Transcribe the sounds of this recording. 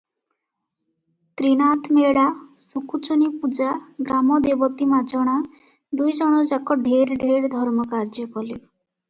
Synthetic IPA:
t̪ɾinat̪ʰmeɽasukut͡ʃunipud͡ʒaɡɾamɔd̪ebɔt̪imad͡ʒɔɽ̃a | d̪ujd͡ʒɔɽ̃ɔd͡ʒakɔɖʱeɾɖʱeɾd̪ʱɔɾmɔkaɾd͡ʒɔkɔli

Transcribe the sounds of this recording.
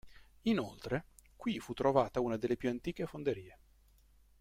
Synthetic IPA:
inolt̪ɾekwifut̪ːɾovaːt̪auːnad̪elːepjuant̪iːk̟efond̪eɾiːe

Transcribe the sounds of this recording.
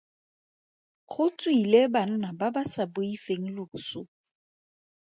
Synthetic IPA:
χʊt͡sʼwileban̩nababasabʊifeŋ̩lʊʊsʊ

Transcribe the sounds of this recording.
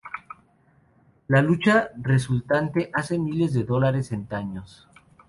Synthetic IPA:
lalut͡ʃare̞s̬ult̪ant̪e̞ʔase̞mile̞zðe̞ðo̞laɾe̞se̞nt̪aɲos

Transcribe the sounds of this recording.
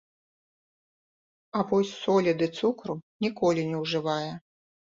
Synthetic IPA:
ɐvɔsʲsɔlʲid̪ɨt̪sukɾunʲikɔlʲinʲɛwʐɨvajɛ

